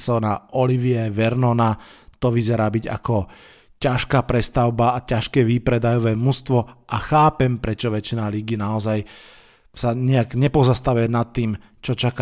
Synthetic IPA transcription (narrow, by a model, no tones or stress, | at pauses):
sɔːnaʔɔliʋiɛʋɛɾnɔnat̪ɔʋizɛɾaːbiɟa̰kɔ | caʃkaːpɾɛst̪aʊbaːcaʃkɛːʋipɾɛd̪ajɔʋɛːmust̪ʋɔʔaxaːpɛmpɾɛt͡ʃɔʋɛt͡ʃinaːliɡinaɔzaj | saɲɛaɡɲɛpɔzast̪aʋujɛnat̪ːiːm | t͡ʃɔt͡ʃaka